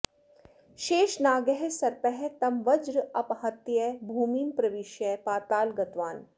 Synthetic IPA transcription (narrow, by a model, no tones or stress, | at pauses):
ʃeːʃnaːɡɐɦesɐɾpɛɦet̪ɐmʋɐd͡ʒɾɐpɐɦɐt̪jɛbʱuːmiːnpɾɐʋiʃjɛpaːt̪aːlɡɐt̪ʋaːn